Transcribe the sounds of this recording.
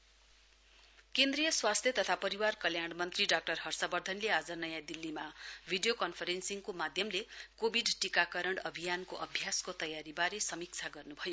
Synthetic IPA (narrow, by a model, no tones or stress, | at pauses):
kend̪rijʌswast̪ʰjʌt̪ʌt̪ʰapʌɾiwarkʌljaɽmʌnt̪riɖak̚ʈʌrhʌrsʌbʌrd̪ʱʌnlead͡zʌnʌjãd̪ilːimabʱiɖijokʌnpʰʌɾensiŋkomad̪ʱjʌmlekobʱiɖʈikakʌɾʌɳɖʌbʱijankoʔʌbʱjaskot̪ʌjaɾibaɾesʌmik̚t͡sʰaɡʌrnubʱʌjo